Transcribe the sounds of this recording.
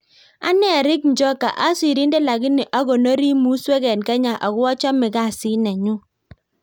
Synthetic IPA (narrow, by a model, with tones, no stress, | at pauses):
a̰˦nɛ˦a˨ɾɪ˦kɲ˨d͡ʒɔ˦ka̰˨ʔa˦si˨ɾi˦nde˦la˨ɡɪ˦nɪ˨ʔa˦ɡo˨no˦ɾi˦mu˦swɛ˦ɡɛ˨nkɛ˦ɲa˨ʔa˨ɣʊ˦ɔ˦t͡ʃɔ˦mɪ˨ɡa˦˨sɪ˦nɛ˨ɲu˦